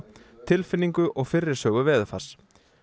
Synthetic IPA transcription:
t̪ʰɪlfɪnːiŋkʏʔɔɣfɪrːɪɾ̥sœːɣʏvɛːðʏfḁs

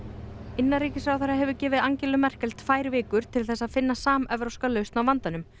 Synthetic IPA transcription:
ɪnːaɾiːcɪsɾawθɛɾːaɦɛvʏcɛːvɪðaɲcɛlʏmɛr̥kɛlt̪faːjɾvɪːkʏɾ̥t̪ʰɪlθɛsːaðfɪnːasaːmɛvɾawskalœɥst̪nawvant̪anʏm

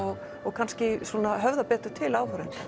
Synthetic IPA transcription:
ɔɣ | ɔɣkʰanscɪsuːnaɦœvðapɛːt̪ʏɾ̥t̪ʰɪlaːwhœɾɪn

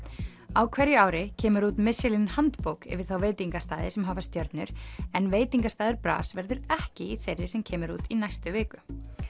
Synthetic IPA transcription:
awkʰvɛɾjʏaːwɾɪcʰɛːmʏɾuːt̪mɪsɪlinhant̪powkɛ̰vɪð̥θawveːjt̪iŋkast̪aːðɪsɛmɦaːvast̪jœɾt̪nʏɾ̥ɛnveːjt̪iŋkast̪aːðʏɾpɾa̰ːsvɛɾðʏɾɛhcɪiθejrːɪsɛmcʰɛːmʏɾuːt̪inajst̪ʏvɪːkʏ

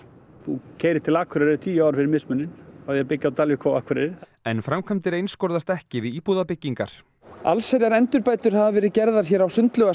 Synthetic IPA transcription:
θucʰeːjɾɪt̪ʰɪlaːkʰʏɾɛɾɪt̪ʰiːaːwɾ̥fɪɾɪɾmɪsmʏnːɪnawðjɛapɪcːawt̪alvɪkʰawaːkʰʏɾɛɾɪɾ | ɛnfɾamkʰamt̪ɪɾejnskowɾðast̪ɛhcɪðɪiːpuðapɪcːiŋka̰ɾ̥ | a̰lsɛɾjaɾɛnt̪ʏɾpaːjt̪ʏɾ̥ɦavavɛːɾɪðcɛɾðaɾ̥çɛːɾawsʏnt̪lœɣa

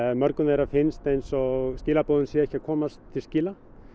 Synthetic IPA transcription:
mœɾkʏnɛɾafɪnst̪ejnsɔɣsciːlapoːwðʏnsjɛɛhcakʰɔːmast̪t̪ʰɪlsciːla

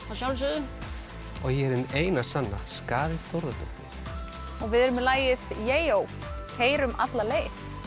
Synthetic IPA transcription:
asjawls̬ʏðʏ | ɔɣjɛɛɾɪneːjnasanːaskaːðɪθowɾðat̪ʏht̪ɪɾ̥ | ɔɣvɪðɛɾʏmːɛlaːjɪθjeːjow | hʰeːjɾʏmʔa̰t̪laleːjθ

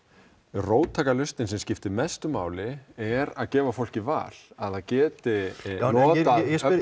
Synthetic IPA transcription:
roːwt̪ʰaːkalʏst̪ɪnsɛmscɪft̪ɪmɛst̪ʏmaːwlɪɛɾaðcɛːvafowl̥cɪva̰ːl̥aðacɛːt̪ɪɔːt̪a

